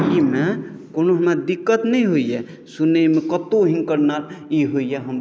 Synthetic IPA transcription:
ime | konoɦəmad̪ikːət̪nəĩɦoijɛ | sunemẽkət̪oɦĩnkəɾnaɾiɦoijɛɦəm

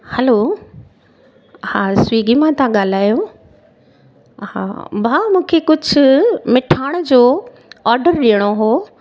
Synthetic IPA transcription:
hɛlo | haːswiːɡimãt̪ãɠaːl̤aːjo | hã̰bʱaːmũːkʰekʊd͡ʑʱʊ̆mɪʈʰaːɽ̃d͡ʑoː | ɔːɾɖəɾɗiəɽ̃oɦoː

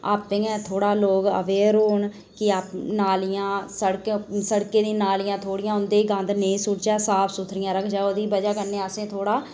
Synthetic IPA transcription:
a̰ːpːẽːɛ̃ːt̪ʰoːɽaːloːɡə̰ʋeːɾoːɳ | kɪaːpnaːlɪjãːsəɽksəɽkeːd̪ĩːnaːlɪjãːt̪ʰoːɽɪjãːɦʊnd̪eːɡãnd̪nẽːsʊʈt͡ʃɛːsaːpʰsʊt̪ʰɾɪjãːɾəkʰd͡ʒaːoːd̪iːbəd͡ʒaːkənːeːəsẽːt̪ʰoːɽaː

